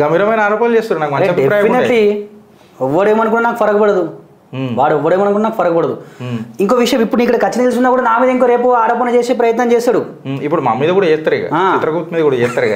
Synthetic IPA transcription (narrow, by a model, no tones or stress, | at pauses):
ɡɐmiɾɐmɐjnɐaːɾoːpɐnɐleːst̪uɾunaːkumɐɲɾt͡ʃːɐbʱepɾaːjɐmineli | ɛʋːɐɽemɐnɐkuːɽanaːkupɐɾɐkɐpɐɽɐd̪u | ʋaːɽɛʋːɐɽeːmɐnɐkuːɽanaːku̥pɐɾɐkɐbɐɽɐd̪uiŋkoːʋiʂɐjɐmipːuɽnikːɐɽɐkɐt͡ʃːɐnɐt̪ilsund̪aːkuːɽanaːmiːd̪ɐiŋk̬oːɾe̞ːpuaːɾoːp̬ɐnɐt͡ʃeːseːpɾɐjɐt̪nɐmt͡ʃeːsaːɽu | ipːuɽumamːiːd̪ɐkuːɽaeːt̪ːɐɾiɡa̰aːit̪ɾɐkuːt̪miːd̪ɐkuːɽaeːt̪ːɐɾiɡa̰